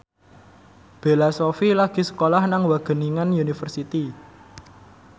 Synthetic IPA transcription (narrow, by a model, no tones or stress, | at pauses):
b̥e̤lasofilaɡ̥i̤sə̥kolahnaŋwaɡ̥ə̤niŋanjunifərsit̪i